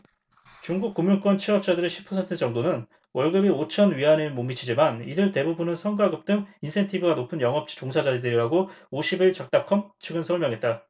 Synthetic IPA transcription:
t͡ɕuŋɡuk̚k͈umjuŋk͈wʌnt͡ɕʰiʌp̚t͡ɕ͈adɯɾeɕʰi̥pʰːʌsʰentʰɯt͡ɕʌŋdonɯn | wʌɭɡɯbiot͡ɕʰʌnɥiɦanɯɭmomːit͡ɕʰid͡ʑimanidɯɭte̞bubunɯnsʰʌŋɡaɡɯp̚t͈ɯŋinsʰe̞ntʰibɯɡanopʰɯnjʌŋɦʌp̚t͡ɕ͈i̥t͡ɕoŋsʰad͡ʑad͡ʑidɯɾiɾaɡooɕʰibiɭt͡ɕak̚t͈akʰʌmt͡ɕʰɯɡɯnsʰʌɭmjʌŋɦe̞t̚t͈a

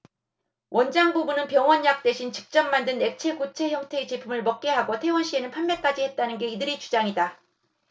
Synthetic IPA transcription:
wʔʌnd͡ʑaŋbubunɯnpjʌŋwʌnjak̚t͈we̞ɕʰint͡ɕi̥k̚t͡ɕ͈ʌmːandɯne̞k̚t͡ɕʰe̞ɡut͡ɕʰe̞çjʌŋtʰe̞t͡ɕe̞pʰumɯɭmʌk̚k͈e̞ɦaɡotʰe̞wʌnɕ͈ʰie̞nɯnpʰanme̞k͈ad͡ʑihet̚t͈anɯnɡe̞idɯɾit͡ɕud͡ʑaŋida

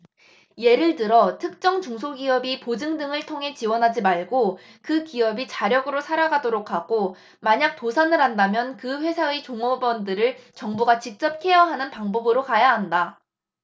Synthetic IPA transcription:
je̞ɾɯɭtɯɾʌtʰɯk̚t͡ɕ͈ʌŋt͡ɕuŋsʰoɡiʌbipod͡ʑɯŋdɯŋɯɭtʰoŋɦe̞t͡ɕiwʌnɦad͡ʑimaɭɡo | kɯkiʌbit͡ɕaɾjʌɡɯɾosʰaɾaɡadoɾokʰaɡ̥o | maɲak̚tosʰanɯɾɦandamjʌnkɯɸwe̞sʰaet͡ɕoŋobʌndɯɾɯɭt͡ɕʌŋbuɡat͡ɕik̚t͡ɕ͈ʌp̚kʰe̞jʌɦanɯnpaŋbʌbɯɾokajaɦanda

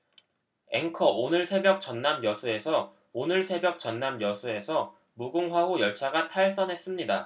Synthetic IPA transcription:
e̞̰ŋkʰʌonɯɭsʰe̞bjʌk̚t͡ɕʌnːamjʌsʰue̞sʰʌ | onɯɭsʰe̞bjʌk̚t͡ɕʌnːamjʌsʰue̞sʰʌ | muɡuŋɦwaɦojʌɭt͡ɕʰaɡatʰaɭs͈ʌnɦe̞s͈ɯmɲida

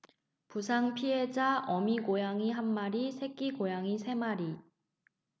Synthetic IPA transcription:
pusʰaŋpʰiɦe̞d͡ʑaʌmiɡojaŋiɦanmaɾisʰe̞k͈iɡojaŋisʰe̞maɾi

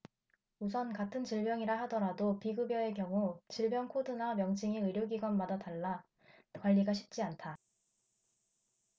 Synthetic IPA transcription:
usʰʌnkatʰɯnt͡ɕiɭbjʌŋiɾahadʌɾadopiɡɯbjʌe̞kjʌŋut͡ɕiɭbjʌŋkʰodɯnamjʌŋd͡ʑʰiŋiɯɾjoɡiɡʌnmadataɭːa | kwaʎːiɡaɕʰi̥p̚t͡ɕ͈iantʰa

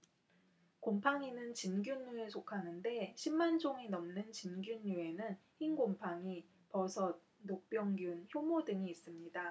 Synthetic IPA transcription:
kompʰaŋinɯnt͡ɕinɡjunːuesʰokʰanɯnde̞ɕʰimːand͡ʑoŋenʌmnɯnt͡ɕinɡjunːue̞nɯnçinɡompʰaŋi | pʌsʰʌt̚ | nok̚p͈jʌŋɡjunçjomodɯŋiːs͈ɯmɲida

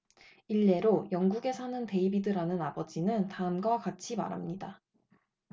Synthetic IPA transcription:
iɭːe̞ɾojʌŋɡuɡe̞sʰanɯnte̞ibidɯɾanɯnabʌd͡ʑinɯntaɯmɡwakat͡ɕʰima̰ɾɦa̰mɲida

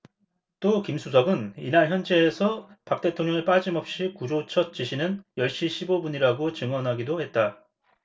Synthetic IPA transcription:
t͈okimsʰusʰʌɡɯninaɭçjʌnd͡ʑeːsʰʌpak̚t͈e̞tʰoŋɲjʌŋeɭp͈ad͡ʑimʌp̚ɕ͈ikud͡ʑot͡ɕʰʌt̚t͡ɕ͈iɕʰinɯnjʌɭɕ͈iɕʰibobuɲiɾaɡot͡ɕɯŋwʌnɦaɡidohe̞t̚t͈a

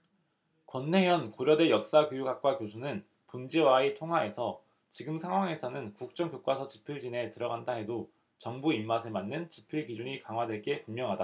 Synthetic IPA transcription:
kwʌnːe̞jʌnkoɾjʌdwe̞jʌk̚s͈akjojuɡak̚k͈wakjosʰunɯn | pund͡ʑiwaitʰoŋɦwae̞sʰʌ | t͡ɕiɡɯmsʰaŋwaŋe̞sʰʌnɯnkuk̚t͡ɕ͈ʌŋkjok͈wasʰʌt͡ɕi̥pʰiɭd͡ʑine̞tɯɾʌɡandaɦe̞do | t͡ɕʌŋbuimːasʰemanːɯnt͡ɕipʰiɭkid͡ʑuɲikaŋɦwadwe̞ɭk͈e̞pummɲjʌŋɦada

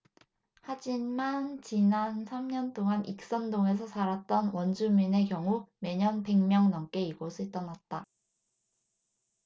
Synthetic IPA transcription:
had͡ʑimant͡ɕinansʰamɲʌnt͈oŋanʔik̚s͈ʌndoŋe̞s̬ʰʌsaɾat̚t͈ʌnwʌnd͡ʑumine̞kjʌŋume̞ɲʌnpe̞ŋmjʌŋnʌmk͈e̞iɡosʰɯɭt͈ʌnat̚t͈a

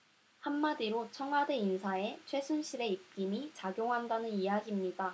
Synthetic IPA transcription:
hamːadiɾot͡ɕʰʌŋɦadeinsʰae̞t͡ɕʰwe̞sʰunɕʰiɾe̞ip̚k͈imit͡ɕaɡjoŋɦandanɯnijaɡimɲida

